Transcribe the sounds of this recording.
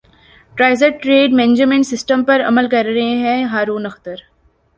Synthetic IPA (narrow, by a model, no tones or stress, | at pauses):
ʈɾaːɪzəɾʈɾeːɖmɛ̃ːnɪd͡ʒmẽɳʈsɪsʈə̃mpɐɾɐ̰məlkɐɾɾɐɦẽɦɛ̃ɦaːɾũːnɐxt̪əɾ